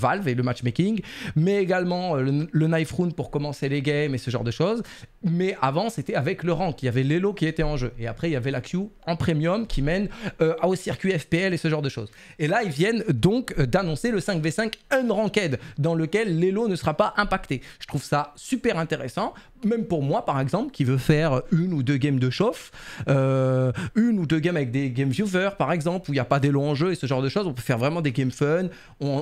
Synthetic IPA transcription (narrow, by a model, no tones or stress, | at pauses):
valveləmat͡ʃmekʲiŋɡmɛeɡalmɑ̃ølənajfχunpuʁkɔmɑ̃seleɡɛmesəʒɑ̰̃ʁd̪əʃoz | mɛʔavɑ̃set̪ɛavɛkləʁɑ̃kiljavɛlelokʲiet̪ɛɑ̃ʒøeapχɛiljavɛlakjuɑ̃pχemjɔmkʲʰimɛnøosiʁkʲɥiɛfpeɛlesəʒɑ̃ʁd̪əʃo̰z | elailvjɛnd̪ɔ̃kd̪anɔ̃seləsɛ̃kvesɛ̃kɛnʁɑ̃kɛd̪d̪ɑ̃ləkʲɛlːelonəsəʁapaʔɛ̃pakt̪eʒət̪χuv̥sasypɛʁɛ̃t̪eʁesɑ̃ | mɛmpuʁmwapaʁɛɡzɑ̃plkʲivøfɛʁøynud̪øɡʲɛmd̪əʃɔfø | ynud̪øɡʲɛmavɛk̚d̪eɡɛmvjuvœʁpaʁɛɡzɑ̃pluiljapad̪elɔ̃ɑ̃ʒøesəʒɑ̃ʁd̪əʃozɔ̃pøfɛʁvʁɛmɑ̃d̪eɡɛmfœn | ɔ̃